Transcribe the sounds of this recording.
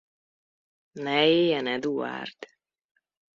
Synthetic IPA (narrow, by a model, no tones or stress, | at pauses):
nɛeːjɛnɛd̪ua̰ːrt̪